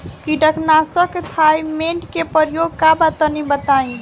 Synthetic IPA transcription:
kiɖəkʰnasəkt̪ʰajmeɳʈkepəɾjoɡ̚kabat̪ənibət̪aĩ

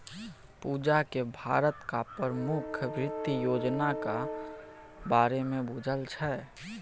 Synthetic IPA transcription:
puːd͡ʒakebʱa̰ːɾət̪kapəɾəmʊkʰʋɾɪt̪ːijoːd͡ʒnaka | baːɾemẽbud͡ʒʱəlt͡ʃʰɛ

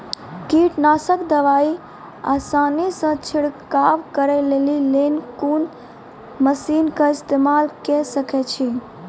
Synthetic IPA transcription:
kiʈnasəkd̪əʋai | a̰sanisə̃t͡ʃʰiɽkaʋkəɾɛlelilenkun | məsinkəist̪emalkɛsəkɛt͡ʃʰi

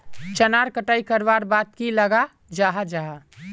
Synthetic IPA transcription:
t͡ʃənaɾkəʈaikəɾbaɾbat̪kiləɡa | d͡ʒaɦad͡ʒaɦa

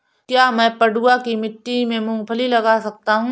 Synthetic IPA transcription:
kjaːmɛ̃ːpɐɖuːakimɪʈːimẽmũːpʰəlilɐɡaːsɐk̚t̪aɦũː

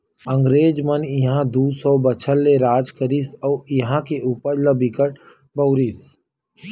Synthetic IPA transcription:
ə̃ŋɡɾeːd͡ʒmənjiɦãd̪uːsɔːbət͡ʃʰəlːeɾaːd͡ʒkəɾisɔːjɦãkeʔuːpəɾləbʱikəʈ | bəːɾiːs

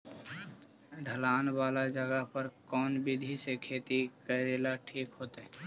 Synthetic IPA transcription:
ɖʱəlaːnbaːlad͡ʒəɡəɦpəɾkɔːnbɪd̪ʱisekʰeːt̪ikəɾeːlaʈʰiːkɦoːt̪ɦɛː

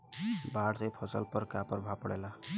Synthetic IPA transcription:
baɽsepʰɔsəlpəɾkapəɾbʱapəɽela

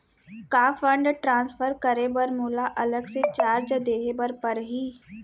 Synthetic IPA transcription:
kaːfə̃ɳɖʈɾãːnsfʰəɾkəɾebəɾmuːlaʔɐləɡset͡ʃaːɾd͡ʒd̪eːɦebəɾpəɾɦiː

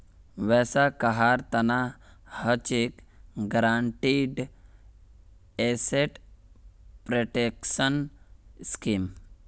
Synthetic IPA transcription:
ʋɛːsakaɦaːɾt̪ɐna | hət͡ʃekɡɾaːɳʈiɖ | eseʈ | pɾoʈekʃənskiːm

